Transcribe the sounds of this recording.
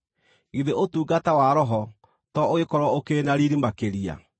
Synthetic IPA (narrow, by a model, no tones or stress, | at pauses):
ɣiðeʔotuːɡatawaɾɔɦɔ | tɔoekɔɾwɔokenaɾiɾimakeɾia̰